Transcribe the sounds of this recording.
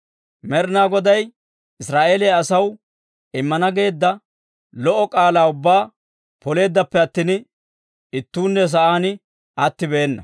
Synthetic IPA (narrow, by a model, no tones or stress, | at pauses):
mɛɾnaːɡɔd̪ɐj | ɪsɾaːʔeːlɛjɐsɐw | ɪmːɐnɐɡe̞ːd̪ːɐ | lɔʔɔkʼaːlaːʊbːaː | pɔle̞ːd̪ːɐpːɛɐt̪ːiːn | ɪt̪ːuːnːɛs̬ɐʔaːnɪ | ɐt̪ːɪbeːnːɐ̰